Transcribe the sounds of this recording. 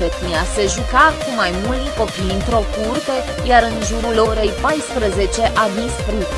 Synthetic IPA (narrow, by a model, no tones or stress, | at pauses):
et̪niase̞ʒukakumajmult̪ko̞pijɨnt̪ɾo̞kurt̪e̞ | jaɾɨnʒuɾulo̞ɾe̞jpajspɾəze̞t͡ʃe̞ʔad̪isfɾi